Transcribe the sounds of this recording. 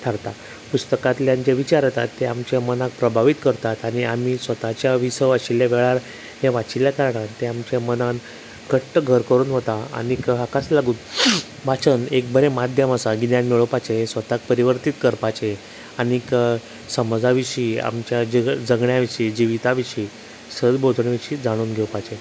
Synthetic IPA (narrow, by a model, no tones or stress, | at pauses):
t̪ʰaɾt̪a | pust̪əkãt̪ljaɲt͡ɕeʋit͡ɕaɾət̪a̰t̪ːeamt͡ɕamənak̚pɾəbʱaʋit̪kəɾt̪at̪aɽ̃iam̤isʋət̪at͡ɕjaʋisəʋaɕiljaʋeɭaɾ | ɦeʋat͡ɕiljakaɾɳant̪eamt͡ɕamənãn | ɡəʈʈəɡʱəɾkəɾuːnɦot̪aa̰ñikakaslaɡuːn | bat͡sənek̚bəɾemad̪ʱjəməsaɡinjanmɛɭəpat͡ɕesʋət̪ak̚pəɾiʋəɾt̪it̪kəɾpat͡ɕe | anik | səməd͡zaʋiɕiːa̰mt͡ɕjad͡zəɡɳjaʋiɕiːd͡ʑiʋit̪aʋiɕiː | səd̪bʱod͡z̪ʱɳʋiɕiːd͡zaɽ̃uːnɡʱewpat͡ɕe